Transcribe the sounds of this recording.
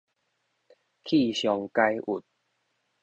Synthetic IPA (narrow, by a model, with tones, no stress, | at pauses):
kʰi˥˧ɕjɔ˨ŋka˦˧jʔu˨˩t̪̚